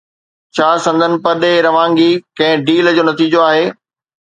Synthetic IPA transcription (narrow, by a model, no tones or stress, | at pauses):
t͡ɕʰaːsɐ̃nd̪ʱənɪ̆pɐɗeɾɐʋãːŋɡikɐ̃ɦɪ̃ɖiːld͡ʑoːnɐt̪iːd͡ʑoaːɦeː